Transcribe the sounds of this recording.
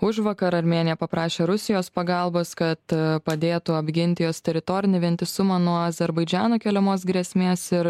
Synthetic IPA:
ʊʒʋɐkɐɾɐɾʲmʲeːnʲjɛpɐpɾɑːʃʲeːɾʊsʲɪjoːspɐɡɐlˠboːskɐt̪pɐd̪ʲeːt̪ʊɐbʲɡʲɪnʲt̪ʲɪjoːst̪ʲɛɾʲɪt̪oːɾʲɪnʲɪʋʲɛnʲt̪ʲɪsʊmɐnuɔɐzʲɛɾbɐɪd͡ʒʲæːnoːkʲɛlʲɛmoːs̬ɡɾʲiɛsʲmʲeːsɪɾ

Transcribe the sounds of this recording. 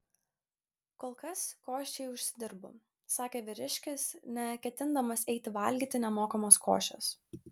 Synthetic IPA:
koːlˠkɐskoːʃʲt͡ʃʲɛɪʊʃʲsʲɪd̪ʲɪɾbʊ̰ | sɑːkʲeːʋʲɪɾʲɪʃʲkʲɪsnʲɛkʲɛt̪ʲɪnd̪ɐmɐsɛɪt̪ʲɪʋɐˑlʲɡʲiːˑt̪ʲɪnʲɛmoːkɐmoːsko̰ːʃʲt͡ʃʲo̰ːs

